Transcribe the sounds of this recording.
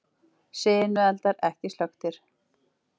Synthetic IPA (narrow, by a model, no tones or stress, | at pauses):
seːjɪnmʏɛlt̪aɾɛhcɪslœxt̪ɪɾ̥